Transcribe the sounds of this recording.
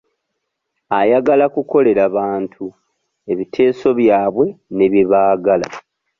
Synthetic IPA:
ajaɡalakuko̞le̞ɾaβaːntʰu | e̞βitʰe̞ːso̞βjaːβwe̞ne̞βjeβaːɡala̰

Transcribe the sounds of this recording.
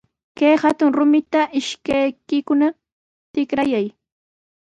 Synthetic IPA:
kejhat̪ʊŋɾʊmɪt̪aʔɪʃkajkɪkʊna | t̪ɪkɾajaj

